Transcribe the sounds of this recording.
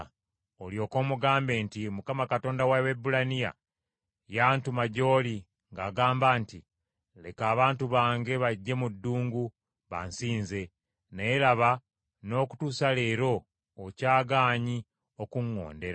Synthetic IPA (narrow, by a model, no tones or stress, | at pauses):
oljo̞ːko̞ːmuɡaːmbe̞ːntimukamakato̞ːndawawebulanija̰ | jaːntumaɟo̞ːli | ŋɡaːɡaːmbaːnti | le̞̰kaːβaːntuβaːŋɡe̞βaɟːe̞mudːuːŋɡu | βa̰nsiːnze̞ | nejelaβa | no̞ːku̥tusale̞ːɾo̞ː | caːɡaːɲi | o̞kuŋːo̞̰ːnde̞ɾa